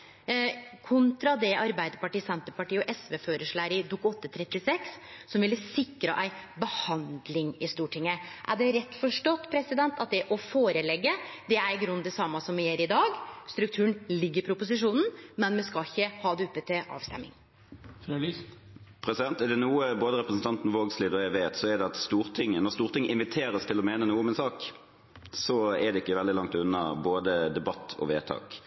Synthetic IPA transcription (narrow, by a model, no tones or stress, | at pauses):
kʰʊnt̪ɾɑd̪ɛʔɑɾbæɪd̪əɾpɑʈiːsɛnt̪əpɑʈiːɔʔɛsʋɛːføːɾəʂɭæːɾɪd̪ukːɔt̪ːət̪ʰɾɛt̪ːɪsɛkssɔmʋɪlːəsɪkɾə̰ʔæ̰ɪbəhɑnd̪lɪŋɪst̪uːʈʰɪŋːəʔæ̰ɖɛɾɛt̪ːfɔʂʈɔt̪ːpʰɾɛsɪd̪ɛnt̪ɑt̪̚d̪ɛʔɔfoːɾəlɛɡːəd̪ɛæɾɡɾʉnd̪ɛsɑmːɑsɔmʋɪjeːɾɪd̪ɑːɡst̪ɾʉk̚t̪ʰʉːəɳlɪɡːəɾpʰɾʊpʊs̬ɪʂuːnn̩mɛnmɛskɑçːəhɑːd̪ʉːpːət̪ʰɛʔɑ̰ːʋst̪ɛ̰mːɪ̰ŋ | pʰɾɛsɪd̪ɛnt̪ɛɾd̪ɛnuːəboːd̪əɾɛpɾəsn̩t̪ʰɑnt̪n̩ʋoːɡsliːd̪ɔɛʋeːt̪sɔɛd̪ɛɑt̪st̪uːʁt̪ʰɪŋːənɔʁst̪uːʁt̪ɪŋəɪnʋɪt̪ʰeːɾəst̪ʰɪlɔmeːnənuːəɔmɛnsɑːk | sɔɛd̪ɛɪkːəʋɛld̪ɪlɑŋt̪ʉnːɑboːd̪əd̪ɛbɑt̪ʰːɔ̰ʋeːt̪ʰɑ̰ːk